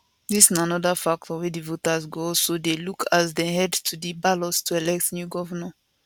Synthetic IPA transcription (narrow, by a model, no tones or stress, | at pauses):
disinãnɔdəfak̚tʰɔwidivotasɡosodelukʰazdɛhɛdtʰudibalɔstʰuɛlɛk̚tnjuɡɔvəmɛ̃n